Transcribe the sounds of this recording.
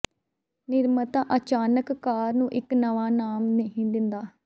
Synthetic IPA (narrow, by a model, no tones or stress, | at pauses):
nɪɾmət̪ãːʔət͡ʃaːnəkːaːɾnũːʔɪknəʋaːnaːmneɦĩːd̪ɪnd̪aː